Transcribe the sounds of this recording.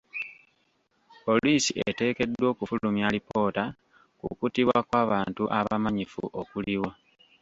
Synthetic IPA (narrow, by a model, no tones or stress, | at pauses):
po̞liːsiʔete̞ːke̞dwo̞ːkufulumjalipo̞ːta | kṵkutiβwakwaːβaːntuʔaβamaɲifṵʔokuliwa